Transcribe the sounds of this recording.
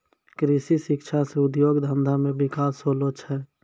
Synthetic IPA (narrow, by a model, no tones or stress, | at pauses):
kɾisiʃɪkt͡ʃʰaseʊd̪joːɡd̪ʱə̃nd̪ʱamẽbɪkaːsɦolot͡ʃʰɛː